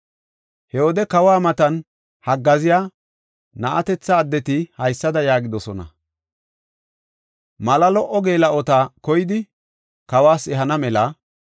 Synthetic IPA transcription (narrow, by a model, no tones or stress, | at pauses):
hɛwɔd̪ɛkɐwaːmɐt̪ɐn | hɐɡːɐzɪjaː | nɐʔɐt̪ɛt͡sːɐːd̪ːɛt̪ɪhɐjsːɐd̪ɐjaːɡɪd̪ɔsɔnɐ̰ | mɐlɐlɔʔːɔɡe̞ːlɐʔɔt̪aːkɔjɪd̪ɪ | kɐwaːsɛɦɐnɐmɛlɐ